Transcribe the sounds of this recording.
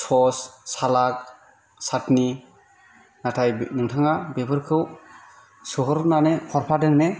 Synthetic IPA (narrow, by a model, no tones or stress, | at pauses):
sʰɔssalak̚ | satni | natʰajnɯŋtʰaŋabebɯɾkʰɯw | sɯɦɯɾnanekʰɔɾpʰadɯŋne